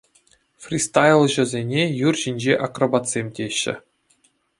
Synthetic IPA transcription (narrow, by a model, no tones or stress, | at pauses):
frʲist̪ɑjlˠʑɘ̆zʲenʲejurʑinʲd͡ʑeʔakrobɑt̪sʲemʲtʲeɕːɘ̰̆